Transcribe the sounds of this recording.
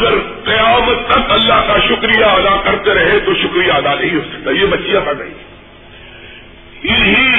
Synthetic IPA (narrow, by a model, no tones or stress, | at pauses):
ɡəɾ | qɐjaːmət̪ːɐkɐlːaɦkaʃʊkɾijaɐd̪akɐɾt̪eɾɐɦet̪oʃʊkɾijaɐd̪anɐ̃ɦĩɦoːsɐ̥k̚t̪aːjemɐt͡ʃːijapɐna̰ḭ | ɪɦi